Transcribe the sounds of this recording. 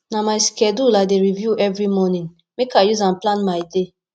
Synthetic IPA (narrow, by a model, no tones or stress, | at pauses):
namaɪskɛduladeɾivjuʔɛvɾimɔnĩŋ | mekajuzãnplãnmaɪde